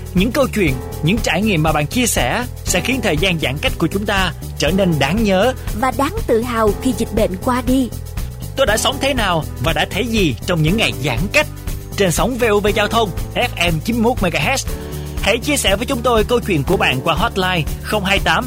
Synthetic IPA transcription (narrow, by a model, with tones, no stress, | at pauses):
ɲɨ̰˧˥ŋkə˧wt͡ɕwḭ˧˨ən | ɲɨ̰˧˥ŋt͡ɕaː˧˩jŋḭ˧˨əmːaː˨˩ɓa̰ː˧˨nt͡ɕi˧əsɛ˧˩ | sɛ̰˧˥xi˨˦ənt̪ʰəː˨˩jzaː˧nzaː˧˩ŋka˦˥jk̚ku˧˩ət͡ɕʊ˨˦ŋ͡mt̪aː˧ | t͡ɕəː˧˩ne˧nɗaː˨˦ŋɲəː˨˦vaː˨˩ɗaː˨˦ŋt̪ɨ̰˧˨ɦaː˨˩wxi˧zi˨˩k̚ɓḛ˧˨nkwaː˧ɗi˧ | t̪o˧jɗa̰ː˧˥sə˨˦wŋ͡mt̪ʰe˨˦naː˨˩wvaː˨˩ɗa̰ː˧˥t̪ʰə˨˦jzi˨˩t͡ɕɔ˧wŋ͡mɲɨ̰˧˥ŋːa˨˩jza̰ː˧˩ŋka˦˥jk̟̚ | t͡ɕe˧nsə˨˦wŋ͡mve˧ʔu˧ve˧zaː˧wt̪ʰə˧wŋ͡mʔɛ˦˥p̚ʔɛ˧mt͡ɕi˨˦mmo˦˥t̚ma˧jɣaː˧ʔɛ˦˥s | hḛ˧˩t͡ɕi˧əsɛ̰˧˩vəː˨˦jt͡ɕʊ˨˦ŋ͡mt̪o˧jkə˧wt͡ɕwḭ˧˨ənku˧˩əɓa̰ː˧˨nkwaː˧ɦɔ˦˥t̚laː˧jxə˧wŋ͡mɦaː˧jt̪aː˨˦m